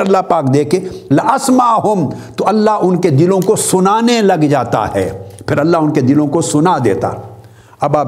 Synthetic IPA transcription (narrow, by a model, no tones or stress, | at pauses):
ɐlːaɦpaːkd̪eːkʰelɪʔɐsmaɦʊmt̪oɐlːaɦʊnked̪ɪlõkosʊnaːnelɐɡd͡ʒaːt̪a̰ɦɛ̰ːpʰɪɾɐlːaɦʊnked̪ɪlõkosʊnad̪ḛːt̪a̰ | ɐbaː